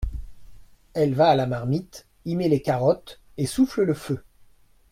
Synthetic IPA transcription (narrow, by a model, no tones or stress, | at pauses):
ɛlvaːlamaʁmit̪ | imelekaʁɔt̪ | esuflələfø